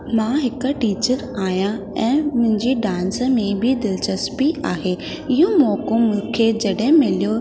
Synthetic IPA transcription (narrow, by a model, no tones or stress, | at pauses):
mãɦɪkə̆ʈiːt͡ɕəɾaːijã | ɛ̃ːmʊ̃ɦɪ̃ɲd͡ʑiɖãːnsəmẽbʱɪd̪ɪlt͡ɕɐspiʔaːɦeː | ɪɦõmɔːkõmʊ̃kʰeːd͡ʑɐɗɦɪ̃mɪlijo